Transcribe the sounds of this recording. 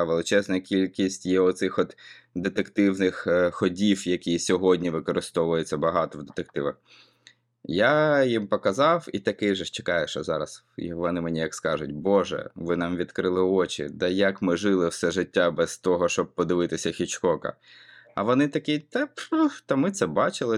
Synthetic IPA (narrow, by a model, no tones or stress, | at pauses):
ʋelˠɪt͡ʃɛznɐkʲilʲkʲisʲtʲjɛɔt̪sɪxɔt̪ | d̪et̪ekt̪ɪwnɪxxɔdʲiwjɐkʲijsʲɔɦɔdʲnʲiʋɪkɔɾɪst̪ɔʋʊjet͡sʲːɐbɐɦɑt̪ɔwd̪et̪ekt̪ɪʋɐx | jajimpɔkɐzɑwit̪ɐkɪjʒɛʃt͡ʃe̥kɑjɛʃɔzɑɾɐ̰s | ʋɔnɪmenʲijɐkskɑʒʊtʲbɔʒɛ̰ʋɪnɑmʋʲid̪kɾɪlˠɪɔt͡ʃʲḭd̪ɛjɐkmɪʒɪlˠɪwsɛʒɪtʲːabɛzt̪ɔɦɔʃt͡ʃɔb̚pɔd̪ɪʋɪt̪ɪsʲɐxʲit͡ʃkɔkɐ̰ɐ̰ʋɔnɪt̪ɐkɪjt̪ɐpt̪ɐmɪt̪sɛbɑt͡ʃɪlˠɪ